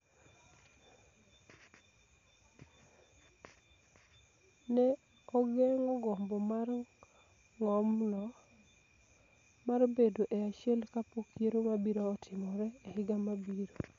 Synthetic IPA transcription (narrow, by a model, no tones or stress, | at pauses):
nɛ | ɔɡɛŋɔɡɔmbɔmar | ŋɔmnɔ | maɾobedoʔɛaʃjɛlkapokʰjeɾomabiɾoːtʰɪmɔɾɛːhɪɡamabiɾo